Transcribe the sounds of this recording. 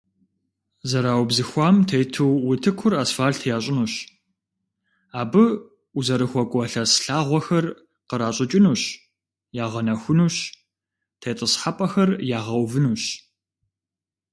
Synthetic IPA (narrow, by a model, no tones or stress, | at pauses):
zɐɾaːwbzɨxʷɑːmtʰejtʰɨwwʊtʰɨkʷʰʊrasfaːɬtʰjaːɕʼɪnuːɕ | aːbɨ | uzɐɾɨxʷɔkʷʼɔɬɐsɬaːʁʷɔxɐr | qəɾaːɕʼɪt͡ʃʼɪnuːɕ | jaːʁɐnɐxʷʊnuːɕ | tʰejtʼəsħapʼɐxɐrjaːʁɐwvɨnuːɕ